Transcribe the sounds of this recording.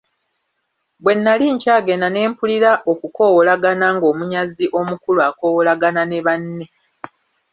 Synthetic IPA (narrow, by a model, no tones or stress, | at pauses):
bwe̞nːaliɲcaːɡe̞nane̞ːmpuliɾaʔokuko̞wolaɡanaŋɡo̞ːmuɲaziʔo̞mukuluako̞wolaɡanane̞βanːe̞